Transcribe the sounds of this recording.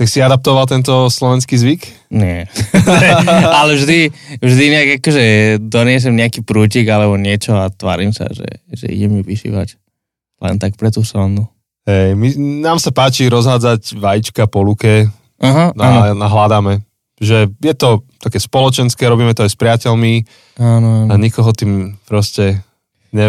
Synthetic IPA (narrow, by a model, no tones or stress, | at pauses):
t̪aksiad̪ap̚t̪ɔʋalt̪̬ɛnt̪ɔslɔʋɛnskiːzʋik | ɲɪɛ | alɛvʒd̪ivʒd̪iɲɛaɡakɔʒɛd̪ɔɲɪɛs̬ɛmɲɛakiːpɾuːciɡalɛbɔɲɪɛt͡ʃɔat̪ʋa̰ːɾimsa̰ʒɛ̰ʒɛ̰ḭɟɛmiʋiʃḭʋa̰c | lɛ̰nt̪ak̚pɾɛt̪uːsɾɔnu | hɛjminaːmsapaːt͡ʃiɾɔzɦaːd͡zaɟʋajit͡ʃkapɔlukɛ | aɦnannaɦlad̪amɛ | ʒɛjɛt̪ɔt̪akɛːspɔlɔt͡ʃɛnskɛːɾɔbiːmɛt̪ɔajspɾɪacɛlmi | aːnɔanaɲikɔɦɔt̪iːmpɾɔscɛ | ɲɛ